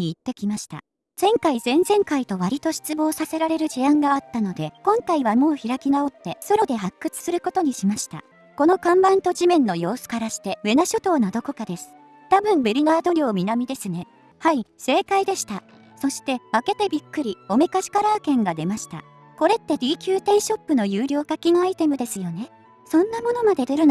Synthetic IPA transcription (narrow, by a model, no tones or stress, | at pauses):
iːt̪ːe̞kʲimaɕi̥t̪a̰ | z̥ẽ̞ŋkaizẽ̞nzẽ̞ŋkait̪o̞βaɾʲit̪o̞ɕi̥t͡sɨbo̞ːsase̞ɾaɾe̞ɾɯ̟ʑiãŋɡaːt̪ːano̞d̪e̞kõ̞ŋkaiβamo̞ːçiɾakʲinao̞t̪ːe̞so̞ɾo̞d̪e̞ɦakːɯ̟t͡sɨ̥sɨɾɯ̟ko̞t̪o̞ɲ̟iɕimaɕi̥t̪a̰ | ko̞no̞kãmbãnt̪o̞ʑimẽ̞nːo̞jo̞ːsɨ̥kaɾaɕi̥t̪e̞βe̞naɕot̪o̞ːnad̪o̞ko̞kad̪e̞sɨ̥ | t̪abɯ̟̃mbeɾʲinaːd̪o̞ɾʲo̞ːmʲinamʲid̪e̞sɨne̞ | haise̞ːkaid̪e̞ɕi̥t̪a | so̞ɕi̥t̪e̞βake̞t̪e̞bʲikːɯ̟ɾʲio̞me̞kaɕi̥kaɾaːkẽ̞ŋɡad̪e̞maɕi̥t̪a̰ | ko̞ɾe̞t̪ːe̞d̪ʲiːkʲɨːt̪e̞iɕo̞pːɯno̞jɯːɾʲo̞ːkakʲinoait̪e̞mɯ̟d̪e̞sɨjo̞ne̞ | sõ̞nːamo̞no̞mad̪e̞t̪eɾɯ̟n